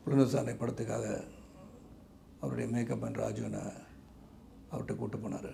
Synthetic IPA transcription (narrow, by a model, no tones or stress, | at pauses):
pʊlɐnɐsaːnɐɪpɐɽɐt̪ːɯkːa̰ːɣɐ̰ | ɐʋɐɾɯɽɐjɐmeːkːɐpːɐnɾa̰ːd͡ʒɯɐnːa̰ | ɐʋɐɾʈːɯkuːʈːɯpːoːnːa̰ːɾɯ